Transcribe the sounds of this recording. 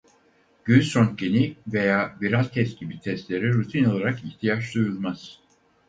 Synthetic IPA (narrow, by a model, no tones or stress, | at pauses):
ɟ̥ynsɾoncenive̞jaːviɾazʲt̪ʰɛst̪ɟibit̪ʰɛst̪lʲe̞ɾiɾut̪ʰino̞lˠaɾakiçt̪ʰijaʃd̪ujulˠmaz̥